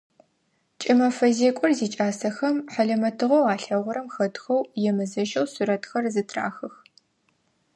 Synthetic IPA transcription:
t͡ʃʼɪmɐfɐzeːkʷʼʊrziːt͡ʃʼaːsɐxɐmħɐɮɐmɐtʰɨʁɐwaːɬɐʁʷʊɾɐmxɐtxɐwjɛmɨzɐʒɐwsuɾɐtxɐrzɨtʰra̰ːxɨx

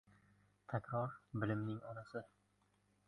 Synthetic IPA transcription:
t̪ʰækʲɾɒɾbɪlɪmnɪŋɒnasɪ

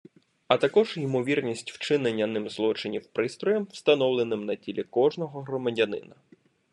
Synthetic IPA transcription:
ɐt̪ɐkɔʒimɔʋʲirnʲisʲtʲwt͡ʃɪnenʲːɐnɪmzlˠɔt͡ʃɪnʲiwpɾɪst̪ɾɔjɛmwst̪ɐn̪ɔwlˠenɪmnɐtʲilʲikɔʒnɔɦɔɦɾɔmɐdʲɐnɪ̰nɐ

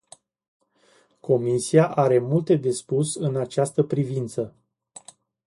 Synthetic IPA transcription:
ko̞misiaʔaɾe̞mult̪e̞d̪e̞spusɨnat͡ʃast̪əpɾivint̪sə

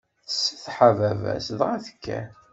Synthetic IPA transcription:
sθħavævæ̰sðʁaθə̥kːæ̰

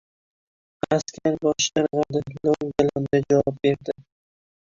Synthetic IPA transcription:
askʲʰaɾbɒʃaɾʁad̪ɪklowɡʲaland̪ad͡ʒavɒp̚be̞ɾd̪ɪ

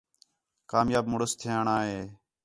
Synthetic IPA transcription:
kaːmjaːbmʊɽəst̪ʰɪjãːɳaːɦeː

